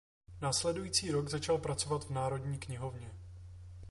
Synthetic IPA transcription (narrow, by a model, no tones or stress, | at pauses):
naːslɛdujiːt͡siːɾo̞ɡzat͡ʃalpɾat͡so̞vat̪vnaːɾo̞dɲiːkɲɪɦo̞vɲɛ